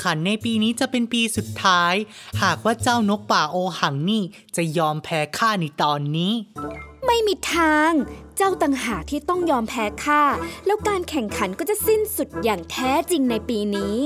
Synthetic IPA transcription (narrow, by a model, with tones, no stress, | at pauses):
kʰa˩˦nːa˧jpiː˧niː˦˥t͡ɕa˨˩pe˧npiː˧su˨˩t̪ʰːaː˦˥jhaː˨˩k̚waː˥˩t͡ɕaː˥˩wno˦˥k̚paː˨˩ʔoː˧ha˩˦ŋniː˥˩ | t͡ɕa˨˩jɔː˧mpʰɛː˦˥kʰaː˥˩na˧jt̪ɔː˧nːiː˦˥ma˥˩jmiː˧t̪ʰaː˧ŋt͡ɕa˥˩wt̪a˨˩ŋɦaː˨˩k̚t̪ʰiː˥˩t̪ɔ˥˩ŋjɔː˧mpʰɛː˦˥kʰaː˥˩lɛ˦˥wkaː˧nkʰɛ˨˩ŋkʰa˩˦nkɔː˥˩t͡ɕa˨˩si˥˩nsu˨˩t̪̚jaː˨˩ŋt̪ʰɛː˦˥t͡ɕi˧ŋna˧jpiː˧niː˦˥